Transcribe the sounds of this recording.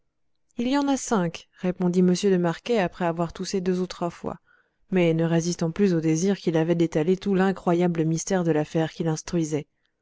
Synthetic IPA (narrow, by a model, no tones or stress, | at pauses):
iljɑ̃nasɛ̃kʁepɔ̃d̪iməsjøləmaʁkʲeapχɛavwaʁt̪uʃed̪øzut̪χwafwa̰ | mɛnəʁezist̪ɑ̃plyzod̪eziʁkʲilavɛd̪et̪alet̪ulɛ̃kχwajabləmist̪ɛʁd̪əlafɛʁkʲilɛ̃st̪χɥizɛ